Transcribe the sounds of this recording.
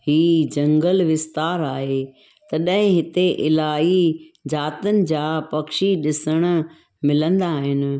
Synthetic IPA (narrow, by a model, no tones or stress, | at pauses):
hiːd͡ʑɐ̃ŋɡəlʋɪst̪aːɾaːɦe | t̪ɐɗɦɪ̃ɦɪt̪eʔɪlaːɦid͡ʑaːt̪ənɪ̆d͡ʑaːpɐkʃiɗɪsəɽ̃̆ | mɪlə̃nd̪aːɦɪnɪ̆